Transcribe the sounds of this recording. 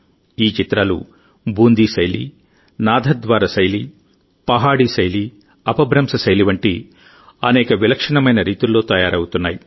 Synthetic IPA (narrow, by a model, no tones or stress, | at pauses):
iːt͡ʃit̪ɾaːlṵ | bʱuːnd̪isɐjlḭ | naːd̪ʱɐd̪ʋaːɾasɐjli | pɐɦaːɽisɐjli | ɐpɐbʱɾɐmsɐsɐjliʋɐɳʈi | ɐnɛːkɐʋilɐkʂɐɳɐmɐjnɐɾiːt̪ulːo̞ːt̪ɐjaːɾɐwut̪unːaːji